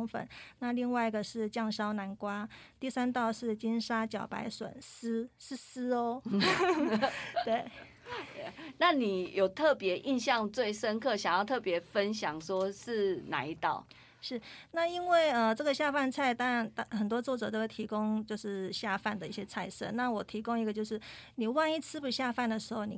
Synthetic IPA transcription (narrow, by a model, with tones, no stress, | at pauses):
ŋfə̰˨˦nna˥˧li˥˧ŋwa˥˧ɪi˧˥ɡə˨ʂɻ̩˥˧t͡ɕjɑ˥˩ŋɕjɑ˥ʊna˧˥nkwa˥t̪i˥˩sa˥nt̪ɑ˥˧ʊʂɻ̩˥˩t͡ɕi˥nʂa˥t͡ɕjɑ˨˩ʊpa̰˧˥ɪswə̰˨˩nsɹ̩˥ʂɻ̩˥˩sɹ̩˥ɔ˧˦ | t̪we˥˩ɪ˨ | na˥˨ni˨˩jo˨˩ʊt̪ʰɤ˥˩pjɛ˧˥ʔi˥˧nɕjɑ˥˧ŋt͡swe˥˩ɪʂə˦˥nkʰɤ˥˩ɕjɑ˨˩ŋjɑ˥˧ʊt̪ʰɤ˥˩pjɛ˧˥fə˦nɕjɑ˨˩ŋʂwɔ˥ʂɻ̩˥˩na˨˩i˧˥t̪ɑ̰˥˩ʊ | ʂɻ̩˥˩na˥˩i˥nwe˥˩ɪə˧ʈ͡ʂɤ˥˩ɡə˩ɕja˥˧fa˥˧nt͡sʰa˥˩ɪt̪ɑ˥ŋɻa˧˥nt̪xə˨˩nt̪wɔ˥t͡swɔ˥˩ʈ͡ʂɤ˨˩t̪o˥˩t̪ʰi˧˥kʊ˥ŋt͡ɕjo˥˧ʊʂɻ̩˥˩ɕja˥˧fa˥˩nd̪ə˩i˥˩ɕjɛ˥t͡sʰa˥˧ɪʂə̰˥˩na˥˩wɔ˨˩t̪ʰi˧˥kʊ˥ŋi˧˥ɡə˧t͡ɕjo˥˧ʊʂɻ̩˥˩ | ni˨˩wa˥˧ni˥˩t͡sʰɹ̩˥pu˨˩ɕja˥˧fa˥˩nd̪ə˩ʂɻ̩˧˥xo˥˩ʊni˨˩